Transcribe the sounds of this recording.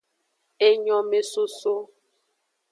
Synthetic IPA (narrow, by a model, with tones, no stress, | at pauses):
e˦ɲɔ̃˨me˨so˦so˦